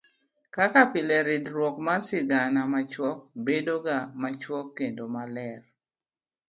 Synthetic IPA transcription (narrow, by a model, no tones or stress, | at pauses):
kakapɪlɛɾɪdɾwɔkmasɪɡanamat͡ʃwɔk̚bedoɡamat͡ʃwɔkːendomalɛr